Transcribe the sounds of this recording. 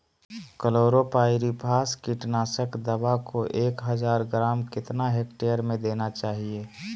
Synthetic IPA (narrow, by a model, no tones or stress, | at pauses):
kəloːɾopaːɪɾipʰaːskiʈnaːsəkd̪əbakoʔeːkɦəd͡ʒaːɾɡɾaːmkɪt̪naɦekʈejəɾmẽd̪eːnat͡ʃaːɦieː